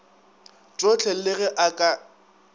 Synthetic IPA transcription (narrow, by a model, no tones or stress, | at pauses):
t͡ʃʼot͡ɬʰɛlɪɣɛʔakʼa